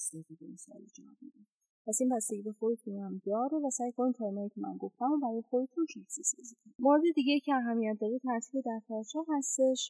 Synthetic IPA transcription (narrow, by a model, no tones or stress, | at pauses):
sevib̪emesɒ̰ːled͡ʒɒ̰mḭd̪i | pʰæsinbæst̪eɟiːbexojet̪ʰunæmd̪ɒːɾevæsæːjkʰonimt̪ʰɒːɾinɒːjiːkcʰemæ̰nɡoft̪æmumbæɾinxojit̪ʰunʃiksisezikmoɾed̪e̞d̪iɟejicʰeæɦæmijæt̪̚d̪ɒːɾet̪ʰæɾt̪ʰiːbed̪æɾt̪ʰɒt͡ʃʰɒɾhæst̪e̞ʃ